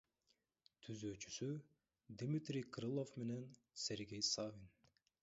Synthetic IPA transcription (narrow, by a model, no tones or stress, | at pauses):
t̪ʰyzøːt͡ʃy̥sy | d̪ʲmit̪rʲijkɾɨlˠo̞fme̞ne̞n | sʲe̞ɾɡʲe̞jsavʲin